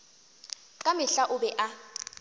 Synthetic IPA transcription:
ǃʼamɪɬaʔʊɓɛʔa

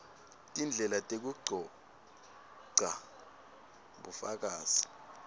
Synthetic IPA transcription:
tʼind͡ɮʱɛlatʼek̬uɡ͡ǀʱɔ | ǀʱa | ɓufak̬ʼaːzi̥

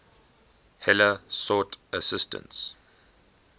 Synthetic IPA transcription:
hɛləsɔtʰəsɪstə̰̃nts

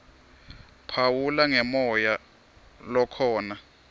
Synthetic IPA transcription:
pʰawulaŋɛmɔja | lɔkʰɔːna

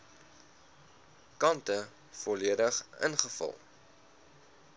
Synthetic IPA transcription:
kɐntə | fɔliədəχə̰nχəfɐ̰lˠ

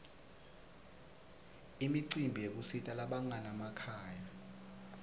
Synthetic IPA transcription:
imiǀimbʱijek̬usitʼalaɓaŋanamakʰaːja

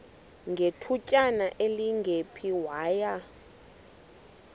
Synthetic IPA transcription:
ŋɡʱetʰucʼanaʔeliŋɡʱepʰiwaːja

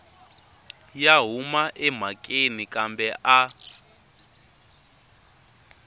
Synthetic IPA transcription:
jaɦumaʔɛm̤akʼenikʼambɛʔa

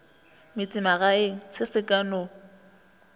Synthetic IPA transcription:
mɪt͡sʼɪmaɣaeŋ̩sɪsɪkʼano

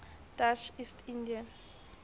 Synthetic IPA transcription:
d̥at͡ʃistʰindian

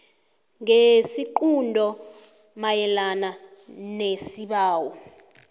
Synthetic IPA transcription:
ŋesiǃundʱɔ | majɛlana | nesiɓaːwɔ

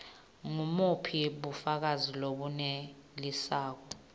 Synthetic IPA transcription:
ŋumupʰiɓufak̬aziloɓunelisaːk̬ɔ

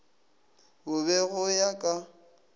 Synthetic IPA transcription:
bʊbɛɣʊjakʼa

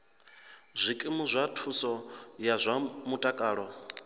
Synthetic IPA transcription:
zʷikʼimuzʷatʰusɔjazʷamutʼakʼaːɺɔ

